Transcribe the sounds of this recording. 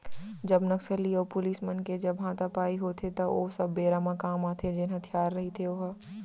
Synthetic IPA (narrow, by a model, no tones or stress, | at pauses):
d͡ʒɐbnɐksəlːioːpʊliːsmənked͡ʒɐbɦãːt̪apaːiɦoːt̪ʰet̪ɐo̰sɐbːeːɾaːmãkaːmaːt̪ʰed͡ʒɪnɦɐt̪ʰjaːɾːɐɦit̪ʰeoːɦəː